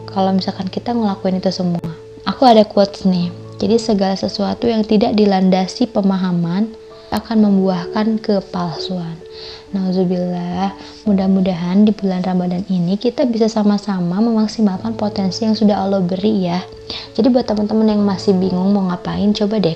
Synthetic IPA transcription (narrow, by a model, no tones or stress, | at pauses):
kalawmisalkankit̪aŋəlakuɪnit̪usəmua | akuadakuot̪snɪh | d͡ʒadisəɡalasəsuat̪ujaŋt̪idaʔ̚dilandasipəmaɦaman | akanməmbuahkankəpalsuanː | azubila | mudahmudaɦandibulanrambadaninikit̪abisasamasamaməmaksimalkanpot̪ɛnsijaŋsudaɦolobəɾijah | d͡ʒadibuat̪ːəmant̪əmənjaŋmasɪhbiŋʊŋməŋapaɪnt͡ʃobadɛ